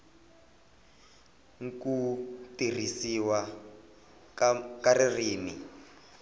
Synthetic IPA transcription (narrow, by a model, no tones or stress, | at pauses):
ŋkutir̤isiwa | kaririːni